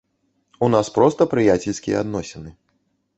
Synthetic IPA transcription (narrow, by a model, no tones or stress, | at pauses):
unaspɾɔst̪ɐpɾɨjat͡sʲelʲsʲkʲijɛ̰ad̪nɔsʲɛnɨ